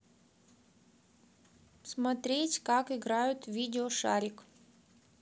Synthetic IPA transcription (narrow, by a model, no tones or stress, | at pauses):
smɐt̪ɾʲetʲkakɪɡɾajʊt̪vʲidʲɪoʂa̰ɾʲɪk